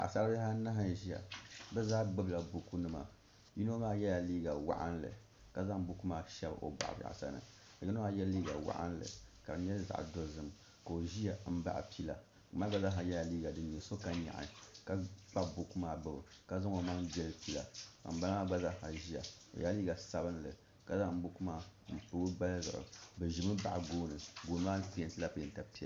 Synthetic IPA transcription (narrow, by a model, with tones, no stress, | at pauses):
ʔa̰˨sa˦la˦a˦na˦ɦa˦nʒi˦ja̰˨bɛ˦zaː˦ɡ͡bɨ˦bla˨bu˨ku˦nɨ˦ma̰˨ | ji˦no˦maː˦jɛ˦a˨liː˦ɡa˨wa̰˦ʔa̰˦n˦lɨ̰˨ | ka˨za˦ŋbu˦ku˦maː˦ʃɛ˦bo̰˨ba̰˨ʔba̰˨a̰˨sa̰˦nɨ̰˨ | a˨ji˦no˦maː˦jɛ˦liː˦ɡa˨wa̰˦ʔa̰˦n˦lɨ̰˨ka˨bɲ˦ɛ˦lza̰˨ʔdo˦zɨ˦m | ko˨o˨ʒi˦a˨˦m̩˦ba̰˦ʔpi˦la̰˨ | kma˦ɡ͡ba˦za˦ɦa˨ja˦˨liː˦ɡa˨dɨ˨ɲ˨ɛ˨so˦ka˦ɲa̰˨ʔa̰˨ka˦k͡pa˦bo˨ku˦maː˨bɨ˦bɨ˨ka˦za˦ŋo˨ma˦ŋbɛ˦lɨ˦pi˦la̰˨ka̰˨m̩˨˦ba˦lma˦ɡ͡ba˦za˦ha˨ʒi˦a̰˨o̰˨jʔa˦liː˦ɡa˨sa˨bɨ˦n˦lɨ˨ | ka˨za˦˨m̩˦bʊ˦ku˦maː˦m̩˨pɨ˦ɡɨ˦ba˦lzɨ̰˨ʔɨ̰˨bɨ˨ʒi˨mɨ˦ba̰˨ʔa˨ɡoː˦nɨ˨ɡoː˨nɨ˦maː˦nɨ˦pi˦ɛ˨ntɨ˦la˦pi˨ɛ˨nta˨pi˦˨˦